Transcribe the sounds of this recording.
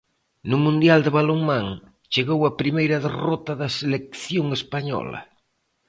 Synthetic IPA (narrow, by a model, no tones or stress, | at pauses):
numũnd̪jald̪eβaloŋmãŋ | t͡ʃeɣowɐpɾimejɾɐðerɔt̪ɐðɐselek̚θjõŋespaɲɔ̰lɐ̰